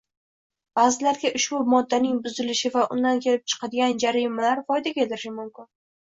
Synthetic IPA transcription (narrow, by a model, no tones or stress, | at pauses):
b̥aːzɪlaɾɡʲaʔʊʃbʊmɒd̪ːanɪŋbʊzɪlɪʃɪvaʔʊ̰nd̪ankʲʰe̞lɪp̚t͡ʃʰɨ̥qʰɑd̪ɪɡʲand͡ʒaɾɪmalaɾfɒjd̪akʲet̪ɪɾɪʃɪmʊmkʲɪn